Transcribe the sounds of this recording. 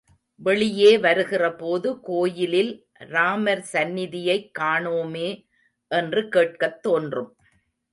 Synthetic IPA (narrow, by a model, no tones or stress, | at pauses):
ʋɛɭɪjeːʋɐɾɯɣɪrɐpoːðɯkoːjɪlɪl | ɾaːmɐɾsɐnːɪðɪjɐɪkːaːɳoːmeː | ʔɛndrɯkeːʈ̚kɐt̪ːoːndrɯm